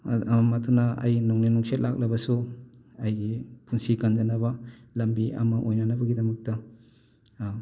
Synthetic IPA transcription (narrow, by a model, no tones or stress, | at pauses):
matʰunɐɐ̰jnuŋninuŋsʰet̚lʔak̚lɐbɐsu | ɐjpʰunsikɐnd͡ʒɐnɐbɐlɐmbiɐ̰mɐʔojnɐnɐbɐɡidɐmɐk̚tɐ